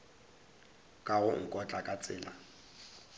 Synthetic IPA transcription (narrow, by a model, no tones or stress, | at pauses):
kʼaɣʊŋ̩kʼɔt͡ɬʼakʼat͡sʼɪːla